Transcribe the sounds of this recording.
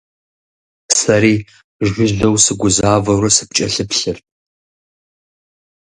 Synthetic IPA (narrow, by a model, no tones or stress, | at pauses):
sɐɾiː | ʒʷʊʒdɐwsɨɡʷʊzaːvɐɾɐsɨ̥p̚t͡ʃʼɐɬɨpɬɨr